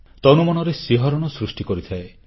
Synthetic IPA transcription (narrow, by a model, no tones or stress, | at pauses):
t̪ɔnumɔnɔɾesiɦɔɾɔɽ̃ɔsɾusʈikɔɾit̪ʰae